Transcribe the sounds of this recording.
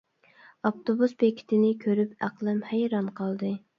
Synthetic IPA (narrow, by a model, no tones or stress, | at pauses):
ɑpt̪obusbekʲʰi̥t̪ʰɪnɪkʲʰøɾypæqlˠɛmhæjɾɑnqʰɑlˠd̪ɨ